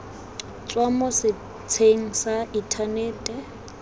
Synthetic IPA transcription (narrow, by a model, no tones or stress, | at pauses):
t͡sʼwamɔsɪ | t͡sʰeŋ̩saitʰaneːtʼɛ